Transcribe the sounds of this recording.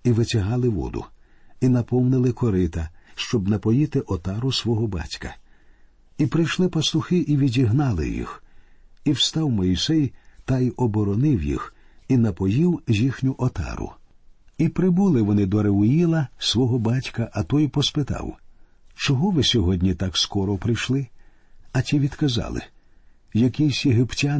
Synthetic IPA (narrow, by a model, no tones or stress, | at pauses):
iʋɪtʲɐɦɑlˠɪʋɔ̰d̪ʊ̰ | inɐpɔwnɪlˠɪkɔɾɪt̪ɐʃt͡ʃɔbnɐpɔjit̪ɪʔɔt̪ɑɾʊsʋɔɦɔbɑ̰tʲkɐ̰ | ipɾɪjʃlˠɪpɐst̪ʊxɪʔiʋʲidʲiɦnɑlˠɪ̰jḭx | iwst̪ɑwmɔjisɛjt̪ɐjɔbɔɾɔnɪwjḭxinɐpɔjiwʒʲixnʲʊʔɔt̪ɑ̰ɾʊ̰ | ipɾɪbulˠɪʋɔnɪd̪ɔɾeʊilˠɐsʋɔɦɔbɑtʲkɐʔɐt̪ɔjpɔspɪt̪ɑ̰w | t͡ʃɔɦɔʋɪsʲɔɦɔdʲnʲit̪akskɔɾɔpɾɪjʃlˠɪ | ɐtʲiʋʲid̪̥kɐzɑ̰lˠɪ̰ | jɐkɪjsʲjeɦɪptʲa